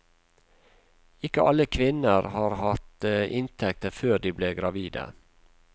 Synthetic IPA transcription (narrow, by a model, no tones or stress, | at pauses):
ɪkəʔɑləkʰʋɪnəɾhɑːɾhɑt̪əʔɪnt̪ʰɛk̚t̪əføːɖ̪iːbleːɡɾɑʋiːd̪ə̰